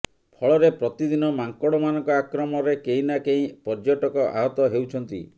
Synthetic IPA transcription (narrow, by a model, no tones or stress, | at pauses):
pʰɔɭɔɾepɾɔt̪id̪inɔmaŋkɔɽɔmanɔŋkɔakɾɔmɔɾekeĩnakeĩpɔɾd͡ʒoʈɔkɔʔa̰ɦɔt̪ɔɦewt͡ʃʰɔnt̪ḭ